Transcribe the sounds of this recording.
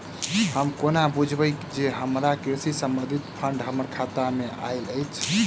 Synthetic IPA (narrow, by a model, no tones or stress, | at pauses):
həmkonabud͡ʒʱbəkd͡ʒeɦəmɾakɾiɾsisəmbənd̪ʱit̪pʰəɳɖɦəməɾkʰat̪amea̰jləjt͡ʃʰ